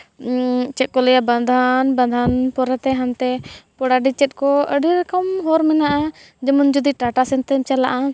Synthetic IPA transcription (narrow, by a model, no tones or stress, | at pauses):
t͡ʃɛt̪̚kɔlɛjaband̪ʱanband̪ʱanpɔɾɛt̪ɛɦant̪ɛpɔɽaɖit͡ʃɛt̪̚kɔəɖiɾɛkəmɦɔɾmɛnaʔa | d͡ʒɛmɔnd͡ʒud̪iʈaʈasɛnt̪ɛmt͡ʃalaʔa